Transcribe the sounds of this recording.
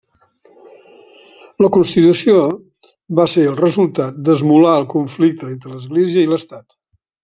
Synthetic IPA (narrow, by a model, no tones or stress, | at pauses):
ləkunst̪it̪usio | βaseəlˠrəzulˠt̪at̪̚d̪əzmulaəlˠkuɱflik̚t̪əent̪ɾələzɣleziəiləst̪at̪